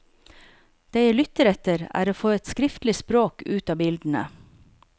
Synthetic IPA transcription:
d̪̥eɪjælʏt̪əɾɛt̪əɾæ̰ːɾoːfoːɛt̪skɾɪft̪lɪspɾoːkʉːt̪ɑːbɪld̪n̩ə̰

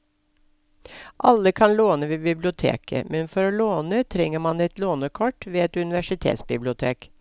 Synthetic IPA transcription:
ʔɑlːəkʰɑnloːnəʋeːbɪblɪʊt̪ʰḛːkʰə̰mɛnfɔɾoːloːnət̪ʰɾɛŋəmɑnɛt̪loːnəkʰɔʈʋeːɛt̪ʉnɪʋæʃɪt̪ʰḛːt̪sbɪblɪʊt̪ʰḛːk

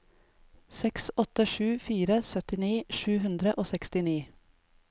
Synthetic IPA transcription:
sɛksɔt̪əʃʉːfiːɾəsœt̪ɪniːʃʉːhʉnd̪ɾəʔoːsɛkst̪ɪniː

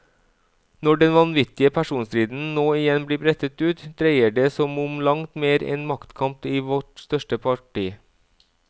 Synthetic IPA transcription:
nɔɖɛnʋɑnʋɪt̪ɪəpʰæʃuːnst̪ɾiːd̪n̩noːɪjɛnbliːbʰɾɛt̪ət̪ʉːt̪d̪̥ɾeɪəɖeːsɔmʊmlɑŋt̪meːɾɛ̰nmɑkt̪kʰɑmpiːʋɔʈst̪œʃʈəpʰɑʈiː

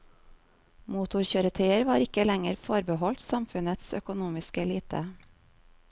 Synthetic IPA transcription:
muːt̪ʊɾçøːɾət̪ʰœʏəɾʋɑːɾɪkəlɛŋəɾfoːɾbəhɔlt̪sɑmfʉnət̪sœ̰kʊnuːmɪskəliːt̪ʰə̰

